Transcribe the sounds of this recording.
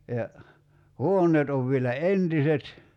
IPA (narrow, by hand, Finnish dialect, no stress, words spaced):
jɑ huonˑeːt oʋ ʋielæ entiset